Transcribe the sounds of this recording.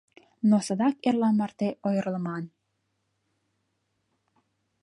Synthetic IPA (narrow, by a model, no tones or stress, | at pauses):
nosə̆d̪ɑkerlɑmɑrt̪eʔojəɾəlˠmɑn